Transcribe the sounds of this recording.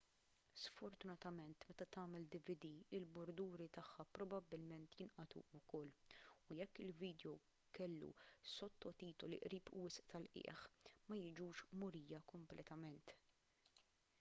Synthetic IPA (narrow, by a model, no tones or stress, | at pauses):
sfɔɾt̪ʊnɐt̪ɐmɛnt̪mɛt̪ɐt̪ɐːmɛld̪ɪvɪd̪iɪlbʊɾd̪uːɾit̪ɐħːɐpɾɔbɐbːɪlmɛnt̪jɪnʔɐt̪ṵʊkɔlːʊjɛkːɪlviːd̪jɔ | kɛlːṵsɔt̪ːɔt̪iːt̪ɔlḭʔɾiːpwɪsʔt̪ɐlʔɪ̰ːħmɐjɪd͡ʒuːʃmʊɾiːjɐkɔmplʔɛt̪ɐmɛnt̪